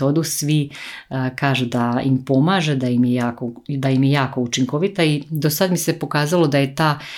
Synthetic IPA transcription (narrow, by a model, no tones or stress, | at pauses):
o̞d̪usʋi | kaːʒed̪aimpo̞maːʒe̞d̪ajimjejaːko̞d̪ajimjejaːkout͡ʃiŋko̞ʋit̪aid̪o̞sad̪mise̞po̞kaːzalo̞d̪aje̞t̪aː